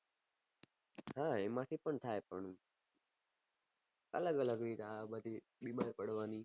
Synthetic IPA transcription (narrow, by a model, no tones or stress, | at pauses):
ɦãːeːmaːʈʰiːpəɳt̪ʰaːeːpə̰ɳũː | ə̰ləɡələɡniːt̪aaːbəd̪iː | ɓiːmaːɾipəɽʋaːniː